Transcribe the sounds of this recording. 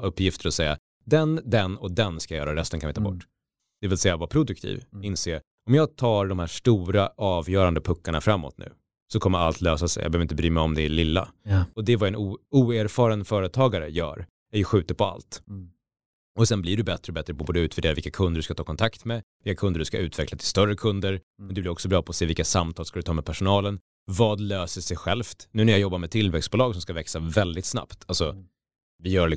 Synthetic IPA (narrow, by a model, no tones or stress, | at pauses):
ɵpːjɪft̪əɾɔsɛjːa̰ | d̪ɛnd̪ɛnɔd̪ɛnskajœːɾaɾɛst̪ənkʰanvɪt̪ʰɑːbɔ̰ʈː | d̪̥ɛvɪlsɛjːavapʰɾʊd̪ɵk̚t̪ʰḭːvɪnseːɾ | ɔmjɑːɡ̚t̪ʰɑːɖɔmhæːʂʈuːɾaʔɑːvjœːɾand̪əpʰɵkːaɳafɾamːɔ̰t̪nʉ̟̰ː | sɔkʰɔmːəɾa̰lt̪ʰløːsasɛ̰jɑ̰bœøœvɾɪt̪bɾyːmɛɔmd̪ɛæɭɪlːa̰ɔd̪ɛvaɛnʔuːuːeɾfɑːɾanfœːɾət̪ʰɑːɡaɾə̰jœ̰ːɾ | æɾjɵɧʉ̟ːt̪əpʰɔa̰lt̪ | ɔsɛnblɪɖɵbɛt̪ɾəɔbɛt̪ɾəbuːbuːd̪ɵʉt̪væɖ̪eːɾavɪlkːakʰɵnd̪əɖɵʉskat̪ʰɑːkʰɔnt̪ʰakt̪mɛvɪlkːakʰɵnd̪əɖɵska̰ʉ̟ːt̪ʰvɛklat̪ʰɪlst̪œrːəkʰɵnd̪əɾ | mɛnd̪ɛblɪɾɔksɔbɾɑːpʰɔːseːvɪlkːasamt̪ʰɑːskad̪ɵt̪ʰɑːmɛpʰæʂʊnɑːlən | vɑːd̪løːsəʂɛjɧɛlft̪nʉ̟ːnæɾjajɔbːaɾmɛt̪ʰɪlvɛksbʊlɑːɡsɔmskavɛksavɛld̪ɪt̪sna̰pt̪ʰalsɔ | vɪjœːɭɪ